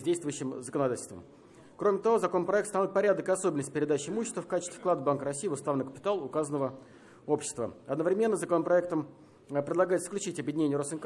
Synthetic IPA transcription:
zʲdʲejst̪vʊjɕːɪmzəkənɐd̪atʲɪlʲstvə̰m | kɾomʲɪt̪ɐvo̞zɐko̞nəpɾɐɛkt̪st̪novɪt̪̚pɐɾʲad̪əkɪɐso̞bʲɪnəsʲtʲɪ̥pɪɾʲɪd̪at͡ɕɪɪmuɕːɪst̪vəfkat͡ɕɪ̥st̪ʲɪ̥klˠad̪əbankəɾɐsʲijɪʊst̪avnəkə̥pʲɪ̥t̪alˠʊkazənəvə | o̞pɕːɪ̥st̪və̰ɐd̪nəvɾʲɪmʲe̞nːəzəkonəpɾɐɛk̚t̪əm | pɾʲɪd̪lˠɐɡajɪt̪sə̥klʲʉt͡ɕitʲɐbjɪdʲɪnʲenʲɪjəɾosɨnk

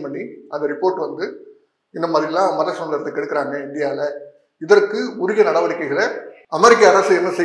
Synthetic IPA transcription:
mɐɳːiɐnd̪ɐɾɪpːoːɾʈːɯʋɐnd̪ɯ | ɪnːɐmaːðɪɾɪlãːmɐlɐsɐmlɐɾt̪ːɐkɛɽɯkːɐɾaːŋɡɐɪnd̪ɪjaːlɐ | ɪðɐɾkːɯʊɾɪɣɐnɐɽɐʋɐɾɪkːɐɪɣɐɭɐɐmɛɾɪkːɐːɾɐsɯɛnːɐsɛ

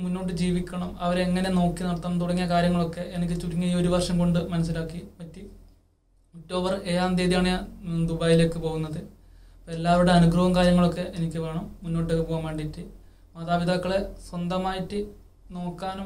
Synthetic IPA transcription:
munːo̞ːʈ̬ːɨd͡ʑiːʋikʲːɐɳɐmɐʋɐɾeeŋːɐne̞no̞ːkːinɐɽɐt̪ːɐːɐmt̪uɽɐŋːijɐkaːɾjɐŋːɐɭokːe̞ʔenik̬ʲːɨt͡ɕuɾiŋːɐio̞ɾuʋɐrʂɐmko̞ɳɖɨmɐnɐs̬ːilaːkːipɐtːi | utːo̞ːʋɐreːaːnd̪eːðijaːɳɨand̪ubaːjile̞ːkːɨpo̞ːɣunːɐðɨ | pːoːelːaːʋuɽe̞ɐnuɡrɐʋɐmkaːɾjɐŋːɐɭo̞kːe̞ʔenikʲːɨʋe̞ːɳɐmːunːoːʈ̬ːɨokːepoːɐmaːɳɖitːɨ | mɐðaːbiðaːkːɐɭe̞swɐnd̪ɐmaːjitːɨ | no̞ːkːaːnu

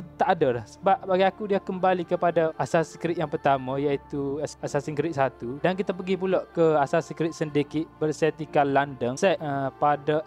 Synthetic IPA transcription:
ət̪aʔadalahsəbap̚baɡiakudiakəmbalikəpadaasasikɾit̪jaŋpərt̪amãjait̪usasasiŋkɾit̪̚sat̪udankit̪ap̬əɡip̬ulɔʔkəasasikɾit̪̚səndekiʔbərsɛt̪ikalandəŋsɛʔəpada

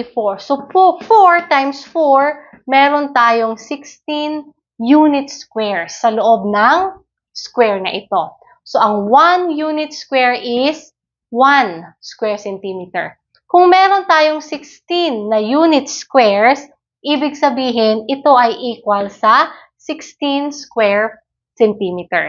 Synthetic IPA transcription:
foɹsopfoɹt̪ajmsfoɹ | mɛːɾo̞nt̪aːjo̞ŋsɪkst̪in | juːnɪt̪skwɛɹsɐloʔo̞b̚nɐŋ | skwɛɹnɐ̰ʔɪt̪o̞ | soʔɐŋwanjuːnɪt̪̚skwɛɹɪs | wanskwɛɹsɛnt̪imɪt̪ɛ̰ɹ | kʊŋmɛɾo̞nt̪aːjo̞ŋsɪkst̪inːɐjuːnɪt̪̚skwɛɹs | ʔiːbɪɡ̚sɐbiːɦɪnɪt̪o̞ʔɐjʔiːkwɐlsɐ | sɪkst̪inskwɛɹ | sɛnt̪imɪt̪ɛ̰ɹ

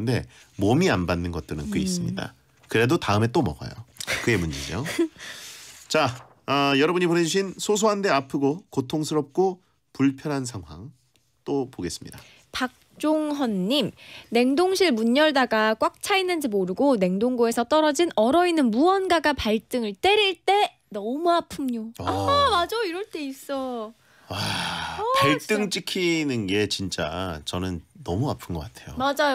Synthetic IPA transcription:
nde̞̰ | momianbanːɯnɡʌt̚t͈ɯɾɯnk͈ɯis͈ɯmɲḭda̰ | kɯɾe̞dotaɯme̞t͈omʌɡa̰jo̰kɯe̞mund͡ʑḛd͡ʑo̰ | t͡ɕa | ʌjʌɾʌbɯɲipone̞d͡ʑuɕʰinsʰosʰoɦande̞apʰɯɡokotʰoŋsʰɯɾʌp̚k͈o | puɭpʰjʌɾɦansʰaŋwa̰ŋ | t͈opoɡe̞s͈ɯ̥mɲida | pak̚t͡ɕ͈oŋɦʌnːimne̞ŋdoŋɕʰiɭmuɲʌɭdaɡak͈wak̚t͡ɕʰainːɯnd͡ʑimoɾɯɡone̞ŋdoŋɡoe̞sʰʌt͈ʌɾʌd͡ʑinʌɾʌinːɯnmuwʌnɡaɡapaɭt͈ɯŋɯɭt͈e̞ɾiɭt͈e̞ | nʌmuapʰɯmɲoamad͡ʑaiɾʌɭt͈ʰe̞is͈ʌ | apaɭt͈ɯŋt͡ɕ͈ikʰinɯnɡe̞t͡ɕint͡ɕ͈a̰t͡ɕʌnɯnːʌ̰muapʰɯnɡʌk͈atʰe̞̰jo̰mad͡ʑajo

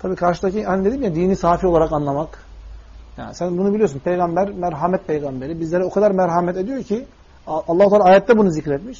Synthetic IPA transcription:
t̪ʰabiːkʰaɾʃɯd̪acihanid̪e̞d̪imjad̪iːnisaːfioaɾakanlˠamak | ja̰ːnsænbunubilʲiosunpʰejɡambæɾmæɾɦamɛt̪̚pʰejɡambe̞ɾibizlʲeɾɛo̞kʰad̪aɾmæɾɦamɛt̪ed̪ijo̞cʰi | alˠːahut̪ʰaːlˠaːjɛt̪̚d̪ɛbunuzicɾɛt̪miʃ

